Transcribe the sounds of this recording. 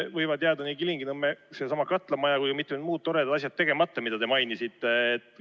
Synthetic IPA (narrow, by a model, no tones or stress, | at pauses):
vɤjvɑd̪̥jeɑd̪̥ɑnikiliŋɡinɯmːese̞sɑmɑkɑt̪ːˑlɑmɑjɑkujkɑmit̪ːˑed̪muːt̪̚t̪ːo̞ɾed̪ɑd̪ɑs̬ʲjɑdt̪ːe̞ɡ̥e̞mɑt̪ːˑɑmid̪̥ɑt̪e̞mɑjnisit̪ːˑe̞ːt̪